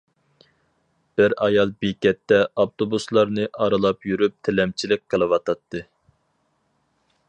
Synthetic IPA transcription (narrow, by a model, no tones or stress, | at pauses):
b̥ɪɾɑjɑlˠbekʲɛt̪ːɛɑft̪obuslˠɑɾnɨʔɑɾɨlˠɑpjyɾyp̚t̪ʰelɛmt͡ʃʰilɪk̚ʲqʰəlˠɨwɑt̪ʰɑt̪ːɨ